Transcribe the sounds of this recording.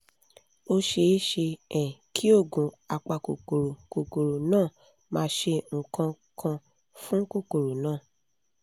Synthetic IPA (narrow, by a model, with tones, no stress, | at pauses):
o˧ʃe˧˦ʃe˧ɛ̃˨kʰi˦o˦˨ɡũ˨ | a˨k͡pa˨ko˨ko˨ɾo˨ko˨ko˨ɾo˨nãː˦˨ | mãː˧ʃe˧ŋ̩˨kã˧ | kʰã˧ | fũ˦ko˦˨ko˨ɾo˨nãː˦˨